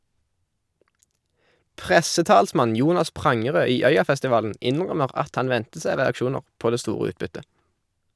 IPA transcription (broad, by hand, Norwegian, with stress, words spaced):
ˈpʁɛsəˌtɑːlsmɑn ˈjuːnɑs ˈpʁɑŋəˌʁøː ˈiː ˈœʏɑfɛstɪˌʋɑːln̩ ˈɪnʁœməʁ ˈɑt ˈɑn ˈʋɛntə ˈsæɪ ʁɛɑkˈʃuːnəʁ ˈpoː ˈdeː ˈstuːʁə ˈʉːtbʏtə